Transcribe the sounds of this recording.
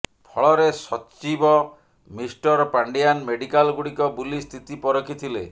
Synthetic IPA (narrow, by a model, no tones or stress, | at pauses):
pʰɔɭɔɾesɔt͡ʃibɔ | misʈɔɾɔpaɳɖijanmeɽikalɡuɽikɔbulist̪ʰit̪ipɔɾɔkʰit̪ʰile